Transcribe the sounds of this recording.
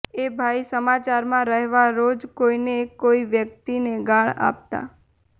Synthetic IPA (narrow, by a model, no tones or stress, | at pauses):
ebʱaisəmat͡ʃaɾmãɾəɦʋaɾod͡ʒkoinekoiʋjək̚t̪ineɡãɭa̰p̚t̪a̰